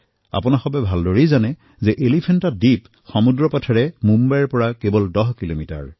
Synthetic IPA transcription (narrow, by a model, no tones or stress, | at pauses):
a̰pʊnaxɔbɛbʱaldoɹizanɛ | zɛʔelipʰɛntadip | xɔmudɹɔpɔtʰɔɹɛmumbajɹpɔɹakebɔldɔɦkilomita̰ɹ